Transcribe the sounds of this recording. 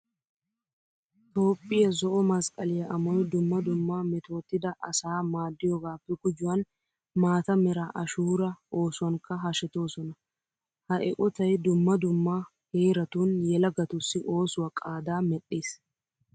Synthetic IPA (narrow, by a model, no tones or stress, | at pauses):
t̪o̞ːpʼːɪjɐzɔʔɔmɐskʼɐlɪjɐʔɐmɔjd̪ʊmːɐd̪ʊmːaːmɛt̪ʰo̞ːt̪ːɪd̪ɐʔɐsaːmaːd̪ːɪjɔɡaːpːɛɡʊd͡ʒʊwɐn | maːt̪ɐmɛɾaːʔɐʃuːɾɐʔo̞ːsʊwɐŋkɐɦɐʃɛt̪o̞ːsɔnɐ | hɐʔɛ̰kʼɔt̪ɐjd̪ʊmːɐd̪ʊmːaː | heːɾɐt̪uːnjɛlɐɡɐt̪ʊsːɪʔo̞ːsʊwɐkʼaːd̪aːmɛɗːeːs